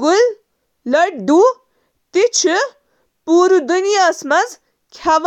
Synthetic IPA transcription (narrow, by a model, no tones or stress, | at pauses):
ɡul | ləʈ̚ɖu | t̪it͡ʃʰu | puːɾud̪unijasmɐz | kʰjaʋ